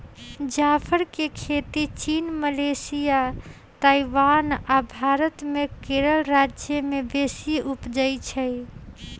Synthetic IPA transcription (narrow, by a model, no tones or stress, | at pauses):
d͡ʒapʰəɾkekʰet̪it͡ʃinməlesija | t̪aiʋanabʱaɾət̪mekeɾəlɾad͡ʒjəmebesiupd͡ʒəjt͡ʃʰəj